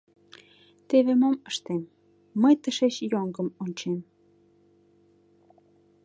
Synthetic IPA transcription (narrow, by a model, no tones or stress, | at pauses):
t̪eβemoməʃt̪emː | əjt̪əʃeɕjoŋɡəmonʲt͡ɕem